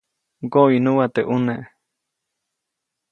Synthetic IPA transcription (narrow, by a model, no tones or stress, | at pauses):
ɡoinuwat̪eʔunẽʔ